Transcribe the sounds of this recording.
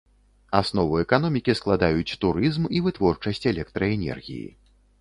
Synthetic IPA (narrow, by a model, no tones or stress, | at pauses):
asnɔvɨɛkan̪ɔmʲikʲisklˠad̪ajut͡sʲt̪uɾɨzmivɨt̪vɔrt͡ʂɐsʲt͡sʲɛlʲɛk̚t̪ɾɐɛnʲɛ̰rɣʲḭjḭ